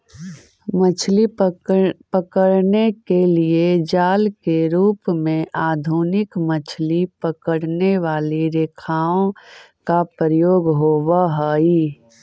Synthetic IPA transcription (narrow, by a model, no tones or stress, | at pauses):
mət͡ʃʰli | pəkəɽnekelied͡ʒaːlkeɾuːpmẽʔaːd̪ʱuːnɪkmət͡ʃʰlipəkəɽneʋaːliɾeːkʰaːõ | kapɾəjoːɡɦoːʋaɦəi